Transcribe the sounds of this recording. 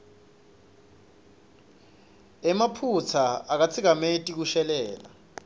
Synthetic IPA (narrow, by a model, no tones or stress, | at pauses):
ɛmapʰut͡sʰaak̬at͡sʰik̬ametʼik̬uʃɛlɛːla̰